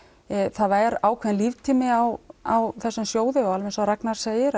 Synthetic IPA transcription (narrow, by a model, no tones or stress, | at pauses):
θaðaɛɾaːwkʰvɛɪnlivt̪ʰiːmɪawawθɛsːamsjoːwðɪɔɣalvɛnsawɾɛknaɾ̥seːjɪɾ